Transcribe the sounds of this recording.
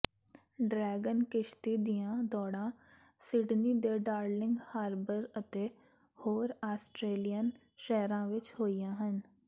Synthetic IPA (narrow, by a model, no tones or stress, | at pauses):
ɖɾɛːɡənkɪʃt̪iːd̪ijãːd̪ɔːɽãː | sɪɖniːd̪eːɖaːɾlɪ̃ŋɡhaːɾbəɾət̪eː | hoːɾaːsʈɾeːlijən | ʃɛɦɾãːʋɪt͡ʃhoːijãːɦən